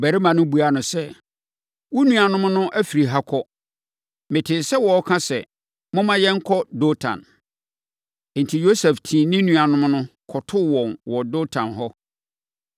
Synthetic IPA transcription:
bæ˨ɾi˦mã˨nʊ̃˦bu˨a˨nʊ̃˨sɛ˦ | wɔ˦nũ˨a˨nʊ̃˦m˦nʊ̃˦ʔæ˦fi˨ɾi˨ɦa˦kʰɔ˦ | mɪ̃˨tʰɪ˨sɛ˦wɔ˨ɔ˦kʰã˦sɛ̰˨ | mʊ̃˦mã˦jɛ˦ŋ̩˦kʰɔ˦do˦tʰã̰˨n˦ | n̩˨tʰi˨jo˦sɛ˨ftʰĩː˨nɪ̃˦nũ˨a˨nʊ̃˦mnʊ̃˦kʰɔ˨tʰʊ˦wɔ̃˨nwɔ˨do˦tʰã̰˨nɦɔ˦

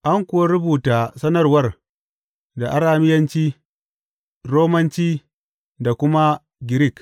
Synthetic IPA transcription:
ʔa˦ŋkʷʊ˨wa˦ɾʊ˦buː˨taː˨sɐ˦nɐ˦rwɐ˦r | da˨ʔa˦ɾaː˨mɪ˦jɐ˦nt͡ʃiː˦ | ɾoː˦mɐ˦nt͡ʃiː˦ | da˨kʷʊ˦ma˦ | ɡʲɪ˨ɾɪ˦˨k

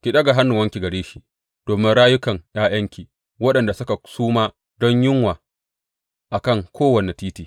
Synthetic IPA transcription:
kʲi˨ɗɐ˦ɡa˨ɦa˦nːʊ˨wɐ˦ŋkʲi˨ɡɐ˨ɽeː˦ʃi˦ | d̥oː˨mɪ˦nɽaː˦jʊ˦kɐ˨ŋj̰aː˦j̰ɐ˦ŋkʲiː˨ | wɐ˦ɗɐ˨nda˨sʊ˦ka˨suː˦maː˦ | dɔ˦ɲjɪ˦ŋwaː˨ | ʔa˨kɐ˦˨ŋkʰʷoː˦wɐ˨ne˨tiː˦tiː˨

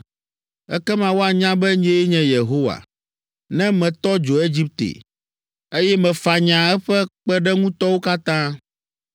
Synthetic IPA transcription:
ɛ˦kɛ˦mã˨wo˦a˨ɲã˦bɛ˦ɲẽ˦ɲɛ̃˨je˨ɦo˦wa̰˨ | nɛ̃˦mɛ̃˨t̪ɔ˦d͡ʒo˨e˦d͡ʑi˦p̚t̪ḛ˨ | e˦jɛ˦mɛ̃˨fa˨ɲã˨ɛ˦ɸɛ˦k͡pɛ˦ɖɛ˦ŋũ˦t̪ɔ˦wo˦ka˦t̪ã˦

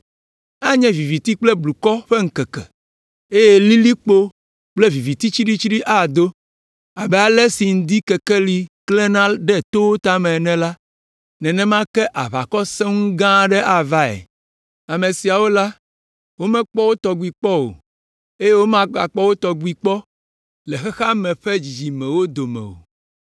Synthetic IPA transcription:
a˦ɲɛ̃˦vi˨vi˨t̪i˦k͡ple˦blu˨kɔ˦ɸe˦ŋ̩˦kɛ˨kɛ̰˨ | e˦je˦li˦li˦k͡po˦ | k͡ple˦vi˨vi˨t̪i˦t͡ʃi˦ɖi˦t͡ʃi˦ɖi˦ʔa˦˨d̪o˦ | a˨bɛ˦a˦lɛ˦si˨ŋ̩˨d̪i˦kɛ˨kɛ˦li˨klɛ˦nã˦lɖɛ˦t̪o˦t̪a˦mɛ̃˨nɛ̃˦la˦ | nɛ̃˨nɛ̃˦mã˦kɛ˦ʔa˨βa̰˨kɔ˦sɛ̃˦ŋũ˦ɡã˦ɖɛ˦ʔa˨va˦ḛ˨ | a˨mẽ˨si˨a˨wo˦la˦ | wo˦mɛ̃˦k͡pɔ˦wo˦t̪ɔ˨ɡʷu˦˨i˨k͡pɔ˦wo̰˨ | e˦je˦wo˦mã˦a̰˨k͡pɔ˦wo˦t̪ɔ˨ɡu˨i˨k͡pɔ˦ | le˨xɛ˦xa˦mɛ̃˨ɸe˦d͡ʑi˨d͡ʑi˨mɛ̃˨wo˦d̪o˨mɛ̰˨wo̰˨

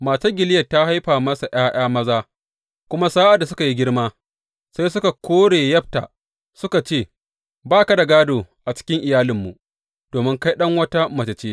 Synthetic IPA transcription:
maː˨sa˦ɡʲɪ˨lɪ˦jɐ˨tːa˦ha˦jɸaː˨mɐ˦sa˨ʔj̰aː˦j̰aː˦mɐ˦zaː˦ | kʷʊ˦ma˦saː˦ʔa˨da˨s̬ʊ˦ka˨ji˦ɡʲɪ˦ɽmaː˦ | sa˦js̬ʊ˦ka˨kʷoː˦ɽeː˨jɐ˦ɸ̚ta̰˨ | sʊ˦ka˨t͡ʃeː˦˨ | baː˦ka˨da˨ɡaː˦doː˨ʔa˨t͡ʃɪ̥˦kʲɪ˦ŋʔɪ˨jaː˦lɪ˨mːu˨ʔ | d̥oː˨mɪ˦ŋka˦jɗɐ˦ŋwɐ˦ta˦mɐ˨t͡ʃɐ˨t͡ʃeː˦

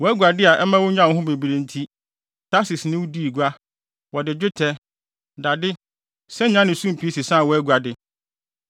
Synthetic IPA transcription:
wɔ˨˦æ˦ɡu˨a˨dɪ˦a˨ʔɛ˦mã˦wʊ̃˦ɲã˦˨n˦ɦʊ̃˦be˨bi˨ɾe˨n̩˨tʰi˦ | tʰa˦sɪ˨snɪ̃˦wʊ˦di˦i˨ɡu˦a˦ | wɔ˨dɪ˨d͡ʑᶣɪ˦tʰɛ˦ | da˨dɪ˦ | sɛ˦ɲã˦nɪ̃˨sũ˦m˨pʰi˨˦si˨sa˦a˨wɔ˦æ˦ɡu˨a˨dɪ˦

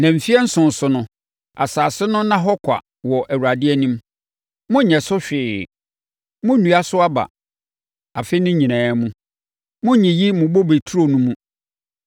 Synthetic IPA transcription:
nã˨m̩˨fi˦ɛ˦n̩˦sʊ̃˨n̩˨sʊ˨nʊ̃˦ | a̰˨saː˨sɪ˦nʊ̃˦nã˦ɦɔ˦kʰʷa̰˨ | wɔ˨ʔæ˨wu˨ɾa˨dɪ˦ɛ˦nĩ˦m | mʊ̃˦ɲɛ̃˨sʊ˦ɕᶣɪː˨ | mʊ̃˦nũ˨˦a˦sʊ˦a˦ba̰˨ | a˨fe˦nʊ̃˦ɲĩ˨nãː˨˦mũ˦ | mʊ̃˦ɲĩ˨ji˦mʊ̃˨bo˦be˨tʰu˦ɾo˦nũ˦mũ˦

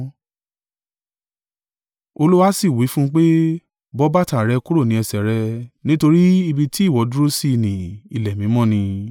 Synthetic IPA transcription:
o˧lu˦wa˦si˦˨wi˨˦fũ˦k͡pe˦ | bɔ˦ba˦˨ta˦˨ɾɛ˧ku˦ɾo˦˨nĩ˨˦ɛ˧sɛ˨ɾɛ˧nĩ˦to˧ɾi˦i˧bi˧ti˦˨wɔ˨˦du˦ɾo˦si˦˧˨nĩ˨i˨lɛ˨mĩ˨˦mɔ̃˦˨nĩ˧

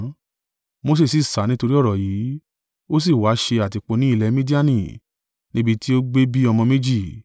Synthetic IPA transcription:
mo˧˦s̬e˦˨si˦˨sa˨˦nĩ˦to˧ɾi˦ɔ˦˨ɾɔ˨jiː˨˦ | o˦s̬i˦˨wa˨˦ʃe˧a˨ti˨k͡po˨˦nĩ˨˦i˧˨lɛ˨˦mĩ˦di˦a˦nĩ˦˨ | nĩ˦bi˦˧ti˦o˦ɡ͡be˦bi˦ɔ˧mɔ̃˧me˦d͡ʒi˦˨

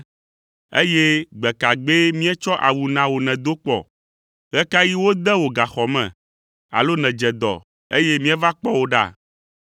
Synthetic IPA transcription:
ḛ˦je˦ɡ͡bɛ˨ka˨ɡ͡be˦mĩ˦ɛ˦t͡ʃɔ˦ʔa˨wu˨nã˨wo˨nɛ̃˨d̪o˦k͡pɔ̰˨ | ɣɛ˦ka˦ji˦wo˦d̪ɛ˦wo˨ɡa˨xɔ˨mɛ̰̃˨ | a̰˨lo˦nɛ̃˨d͡ʒɛ˨d̪ɔ̰˨ | e˦je˦mĩ˦ɛ˦va˦k͡pɔ˦wo˦ɖa̰˦˨

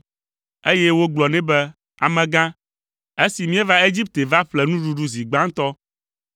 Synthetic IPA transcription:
e˦jɛ˦wo˦ɡ͡blɔ˨nɛ̃˦bɛ˦ | a̰˨mɛ̃˨ɡã˦ | e˦si˨mĩ˦ɛ˦va˦e˦d͡ʑi˦p̚t̪e˨va˦ɸlɛ˨nũ˦ɖu˦ɖu˦zi˨ɡ͡ba˦ŋ˦t̪ɔ˦

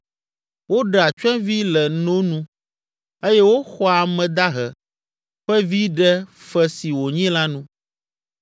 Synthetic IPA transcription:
wo˦ɖa˨t͡ʃɛ̃˦vi˦lɛ˨nõ˦nũ˦ | e˦jɛ˦wo˦xɔ˦a˨mɛ̃˨d̪a˦ɦɛ˨ | ɸɛ˦vi˦ɖɛ˦fɛ˦si˨wo˨ɲĩ˦la˦nũ˦

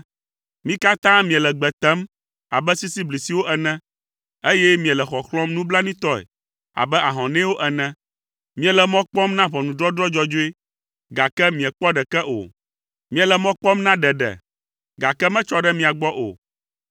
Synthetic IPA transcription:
mĩ˦ka˦t̪ã˦mĩ˨ɛ˨lɛ˨ɡ͡bɛ˨t̪ɛ˦m | a̰˨bɛ˦si˦si˦bli˨si˨wo˦ʔɛ˨nɛ̃˦ | e˦jɛ˦mĩ˨ɛ̃˨lɛ˨xɔ˨xlɔ̃˦mnũ˦bla˦nĩ˦t̪ɔ˦ɛ̰˨ | a̰˨bɛ˦ʔa˨ɦɔ̃˨nɛ̃˦wo˦ʔɛ˨nɛ̃˦ | mĩ˦ɛ˨lɛ˨mɔ̃˦k͡pɔ˦mnã˦βɔ˨nũ˨d̪ɾɔ˦d̪ɾɔ˦d͡ʒɔ˦d͡ʒo˦e˦ | ɡa˨kɛ˦mĩ˨ɛ˨k͡pɔ˦ɖɛ˨kɛ˦ʔo̰˨ | mĩ˨ɛ̃˨lɛ˨mɔ̃˦k͡pɔ˦mnã˦ɖɛ˨ɖɛ̰˨ | ɡa˨kɛ˦mɛ̃˦t͡ʃɔ˦ɖɛ˦mĩ˨a˨ɡ͡bɔ˦ʔo̰˨

